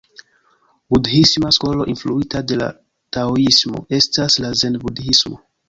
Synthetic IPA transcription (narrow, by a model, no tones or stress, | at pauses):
budhismasko̞lo̞̰ʔinfluitade̞la̰ | taoismo̞̰e̞staslazendbudhismo̞